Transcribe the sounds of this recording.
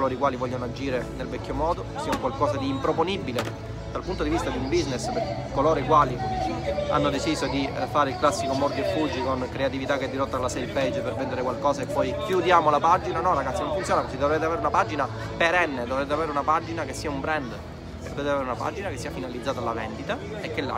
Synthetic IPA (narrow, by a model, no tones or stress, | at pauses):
loːɾoikwaːlivɔʎːonoad͡ʒiːɾenelvɛkʲːomɔːd̪osiːauŋkwalkɔːsad̪iːmpɾoponibile | d̪alpunt̪od̪ivist̪ad̪iumbiznesperkeekːoloːɾoikwaːli | a̰nːod̪et͡ʃisod̪ifaːɾeilklasːikomɔrd̪efud͡ʒikonkɾeat̪ivit̪akːɛd̪ːiɾɔt̪ːalasɛjpɛd͡ʒːpervɛnd̪eɾekwalkɔːsaepːɔjkjud̪jaːmolapad͡ʒinanɔraɡat̪sːinõɱfunt̪joːnakesid̪ovɾet̪̬eaveːɾeunapad͡ʒina | peɾɛnːed̪ovɾeːt̪̬eaveːɾeunapad͡ʒinakesːiːaumbɾɛnd̪ | d̪ovɾeːt̪eaveːɾeunapa̰d͡ʒinakesːiːafinalid̪zːaːt̪alavɛ̰nd̪it̪a | ekːelːa̰